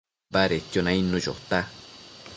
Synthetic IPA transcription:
baɾet̪jonãinũjo̰t̪a

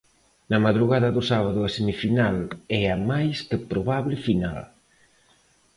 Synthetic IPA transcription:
nɐmaðɾuɣaðɐðʊsaβ̞aðʊɐsemifinalɛɐmajskɪpɾoβaβlɪfina̰l

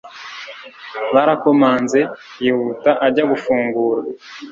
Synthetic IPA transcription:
βaɾako̞maːnze̞ | jihutaʔaɾɟaɡufuːŋɡuːɾa

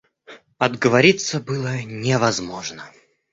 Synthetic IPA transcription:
ɐd̪ɡəvɐɾʲit̪səbɨlˠənʲɪvɐzmoʐnə

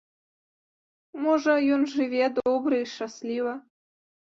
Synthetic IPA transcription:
moʐəjonʐɨvʲed̪obɾɨiʃɑslʲivə

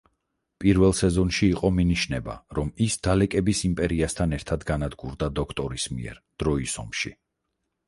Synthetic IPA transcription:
pʼiɾvɛlˠsɛzɔnʃiːqʼɔminiʃnɛba̰ɾɔmisd̪̥alɛkʼɛbisimpʼɛɾiast̪ʰanɛɾt̪ʰad̪ɡanad̪ɡuɾd̪ad̪ɔkʰt̪ʼɔɾismḭɛ̰ɾd̪̥ɾɔisɔ̰mʃḭ

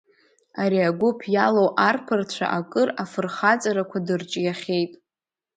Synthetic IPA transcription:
aɾiaɡʷʊpʰjalowʔarpʰɨrt͡ɕʷʰa̰ʔakʼɨrafɨrχat͡sʼaɾakʷʰadɨrt͡ʃʼjaχʲejtʼ

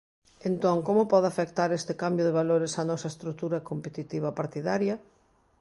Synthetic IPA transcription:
ent̪oŋkomʊpɔðafekt̪aɾest̪ɪkambjoðeβaloɾɪsanɔsɐest̪ɾuk̚t̪uɾɐkompet̪it̪iβ̞ɐpaɾt̪iðaɾjɐ

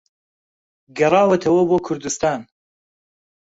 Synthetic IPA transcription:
ɡɐrɑːwɐt̪ʰɐwɐboːkʰʊɾd̪ɨst̪aːn

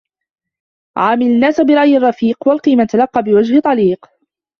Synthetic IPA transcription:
ʕaːmɪlanːaːsabɪɾˤɑʔjɪrˤːɑfiːqwalqiːmat̪alɑqːɑbɪwad͡ʒhɪt̪ˤɑliːq

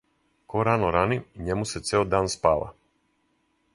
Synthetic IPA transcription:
koɾanoɾaniiɲemuset̪seod̪aːnspaːla̰

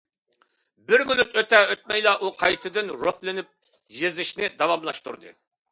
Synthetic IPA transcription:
bɪɾmylyt̪øt̪ɛøt̪̚mɛjlˠɑʔuqʰɑjt̪ʰɨd̪ɨnɾohlɪnɪp̚ | jezɪʃnɪd̪ɑwɑmlˠɑʃt̪ṵɾd̪ɨ̰

